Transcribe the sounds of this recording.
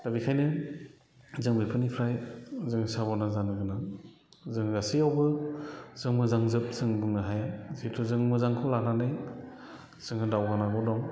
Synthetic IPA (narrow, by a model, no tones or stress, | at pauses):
d̥abikʰajnɯ | zɯŋbipʰɯnipʰɾajzɯŋsabɔnazanɯɡɯna | zɯŋɡasiawbɯzɯŋmɯzaŋzɯp̚zɯŋbɯŋɯɦajzetʰuzɯŋmɯzaŋkʰɯwlananɯj | z̥ɯŋɯdawɡanaɡɔdɔŋ